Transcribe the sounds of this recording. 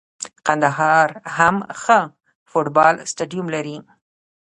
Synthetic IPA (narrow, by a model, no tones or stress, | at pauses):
qand̪aɦɑɾhamxə | foʈbɑlsʈaɖijumlaɾi